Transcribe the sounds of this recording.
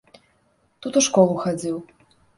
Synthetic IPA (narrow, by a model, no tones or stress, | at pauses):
t̪ut̪uʂkɔlˠuxad͡zʲiw